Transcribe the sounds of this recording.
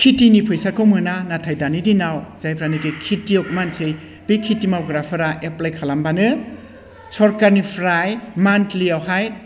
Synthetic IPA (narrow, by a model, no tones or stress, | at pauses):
kʰitinipʰɯjsakʰɯwmɯnanatʰajdanidinawz̥ajpʰɾanikekʰitiɔk̚mansej | b̥ikʰitimawɡɾapʰɯɾaʔeplajkʰalambanɯ | sɔɾkaɾnipʰɾajmantliawɦaj